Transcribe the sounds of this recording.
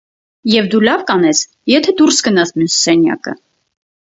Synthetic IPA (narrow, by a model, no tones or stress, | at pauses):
jɛvd̪ulɑvkɑnɛs | jɛt̪ʰɛd̪uɾsɡənɑsmjusːɛnjɑ̰kə̰